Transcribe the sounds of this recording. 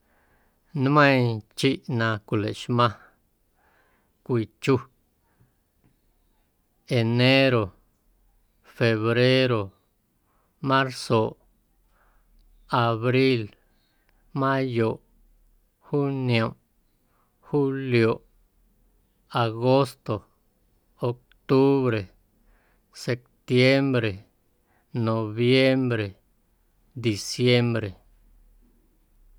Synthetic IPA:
nmə̃˦j̃t͡ʃi˦ʔnã˧kʷi˨lḛ˨ʔʃmã˧ | kʷi˧˨t͡ʃu˧ | e˨ne˦ɾo˨ | fe˧βɾe˦ɾo˨ | mã˦ɾso˨ʔ | a˨βɾi˦l | mã˦jo˨ʔ | xu˦njo˨m | xu˦ljo˨ʔ | a˨ɣo˦st̪o˨ | o˨k̚ | t̪u˦βɾe˨ | se˨k̚t̪je˦mbɾe˨ | no˨βje˦mbɾe˨ | d̪i˨sje˦mbɾe˨

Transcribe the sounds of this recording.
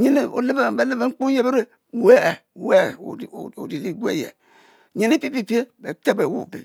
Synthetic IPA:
ɲe˦ne˦o̰˨le˦be˦˨be˨le˦be˨ŋ͡m̩˦k͡pu˦je˦be˦ɾe˦˨ | we˦˨we˦˨o̰˨di˨li˦ɡu˦ḛ˦˨jḛ˨ | ɲe˨ne˦pi˦pi˦pi˦e˦be˨te˦be˨wṵ˦˨bḛ˨

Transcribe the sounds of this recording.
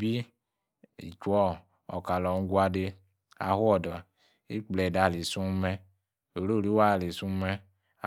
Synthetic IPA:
bi˦ | ḭ˨t͡ʃɔ˦ | ɔ̰˨ka˨lɔ˨n̩˦ɡwa˦de˦ | a̰˨hwɔ˨dɔ˨ | i˦k͡plɛ˨da˨li˨su˦mɛ˦ | o˨ɾo˦˨ɾi˦wa˦˨li˨su˦mɛ˦˨

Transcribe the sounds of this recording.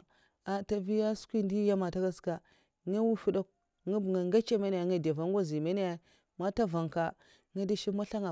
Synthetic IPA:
a˨ta˨vi˦ja˦skʷi˦ndi˦ja˦ma˨ta˦ɡa˦ska˨ | ŋa˦wu˦fu˦da˦k̚ | ŋi˦bŋa˨ŋɡa˦t͡ʃa˦me˦ni˦ja˨ŋa˦da˨va˨ŋɡo˦zi˨me˦ne˦ja˦ | ma˦ta˦va˨ŋka˦ | ŋa˦di˦ʃi˦ma˦ɬa˦ŋa˨

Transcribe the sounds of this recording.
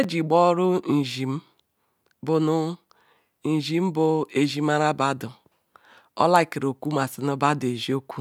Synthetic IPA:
e˦d͡ʒi˨ɡ͡bɔ˦ɾʊ˦n̩˨ʒi˨m̩˦ | bʊ˨nʊ˦ | n̩˨ʒi˨m̩˦bʊ˨e˨ʒi˦m˦a˦ɾa˦ba˦dʊ˨ | ɔ̰˦la˦i˨ki˨ɾo˨kʷu˦ma˨si˨no˦ba˦dʊ˨e˨ʒi˦o˦kʷu̥˦

